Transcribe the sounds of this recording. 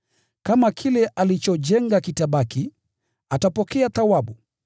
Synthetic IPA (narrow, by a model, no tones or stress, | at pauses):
kamakʰilɛʔalit͡ʃɔʄɛŋɡakitaɓaki | atapɔkɛaθawaɓu